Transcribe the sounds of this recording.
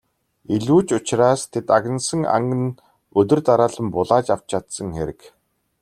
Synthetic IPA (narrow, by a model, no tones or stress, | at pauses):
iɮuːt͡ɕʊt͡ɕraːst̪ʰet̪aɣʲə̆nsə̆ŋa̰ŋɡə̆n | ɵt̪ɵ̆rt̪aɾaːɮə̆mpʊɮaːt͡ɕaw̥t͡ɕʰat̪sə̆ŋxeɾɘ̆k